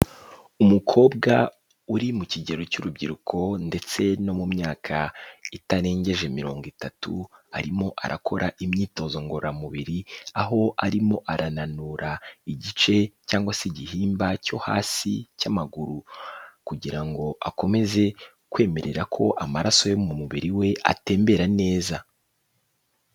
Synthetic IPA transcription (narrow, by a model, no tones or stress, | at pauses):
umukʰo̞ːbɡa | uɾimuciɟe̞ɾo̞cuɾubɟiɾukʰo̞nde̞t͡se̞no̞mumɲaːkʰaitaɾe̞ːɲɟe̞ʒe̞miɾo̞ːŋɡwitatṵa̰ɾimo̞ʔa̰ɾʔakʰo̞ɾʔaʔimɲiːto̞ːzo̞ŋɡoɾamuβiɾiaɦo̞aɾimo̞ʔaɾʔananuːɾʔaiɟit͡ʃe̞caːŋɡwasiɟihiːmbaco̞ha̰ːsḭcamaɡuɾukuɟiɾaŋɡo̞ʔako̞me̞ze̞ | kwe̞ːme̞ɾe̞ɾakʰo̞̰ʔamaɾaso̞jo̞umuβiɾiwe̞ʔa̰te̞ːmbe̞ɾane̞ːza